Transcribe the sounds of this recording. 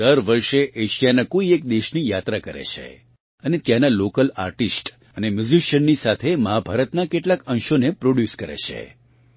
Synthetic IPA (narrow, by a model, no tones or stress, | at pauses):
d̪əɾʋəɾʃeʔeʃijanakoiek̚d̪eʃnijat̪ɾakəɾḛt͡ʃʰḛ | ənet̪janalokəla̰ɾʈisʈ | ənemjud͡ʒiʃənːisat̪ʰeməɦabʱaɾət̪nakeʈlakə̃nʃonepɾoɽjuskəɾḛt͡ʃʰḛ